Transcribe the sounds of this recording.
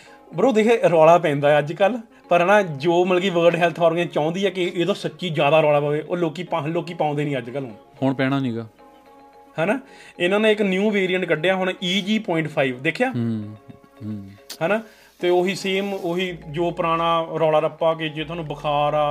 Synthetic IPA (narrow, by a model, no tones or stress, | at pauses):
bəɾoːd̪eːkʰeːɾɔːɽaːp̬ɛ̃ːnd̪aːɛːəd͡ʒkəl | pəɾɦɛːnãːd͡ʒoːməlːkiːʋəːɾɖɦɛːlt̪ʰaːɾɡẽːt͡ʃãːʊ̃nd̪iːɛːkɪeːt̪õːsətːʃiːd͡ʒjaːd̪aːɾɔːɽaːpəːʋeːʔoːloːkiːpaloːk̬iːpãːnd̪eːnĩːəd͡ʒkəlɦõː | hoɳpɛ̃ːɽ̃aːnĩːɡaː | hɛːnaːɪnãːnẽːɪknjuːʋeːɾijəɳʈkəɖeːaːɦʊɳiːd͡ʒiːpɔːɪ̃ɳʈpʰaːiːʋd̪eːkʰjaː | hɛːnaː | t̪eːoːɦiːseːmoɦiːd͡ʒoːpəɾaːɽ̃aːɾɔːɽaːɾəpːaːk̬ed͡ʒeːt̪ʰoaːnũːbəkʰaːɾaː